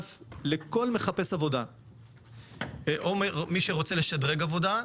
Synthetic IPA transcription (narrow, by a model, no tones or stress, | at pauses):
fleko̞lme̞χape̞savo̞da | ʔomiʃeʁo̞t͡seleʃadʁeɡavo̞da